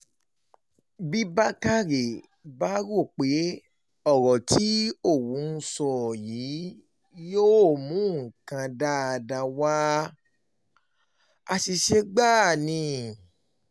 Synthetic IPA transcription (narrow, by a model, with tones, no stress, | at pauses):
bi˦ba˦ka˦ɾe˨ | ba˦ɾo˦˨k͡pe˨˦ | ɔ˦˨ɾɔ˨ti˨˦o˦˨wũ˨˦n̩˦˧sɔ˦˨ji˨˦ | joː˦˨mũ˨˦ŋ̩˨kã˧da˦a˧da˧wa˦ | a˧ʃi˧ʃe˧ɡ͡ba˦˨nĩ˧˦